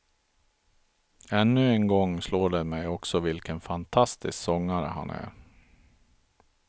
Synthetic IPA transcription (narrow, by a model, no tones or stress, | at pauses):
ɛnːɵɛnɡɔŋːsloːɖɛmɛjɔksɔvɪlkənfant̪ʰast̪ɪsksɔŋːaɾə̰ɦa̰næ̰ɾ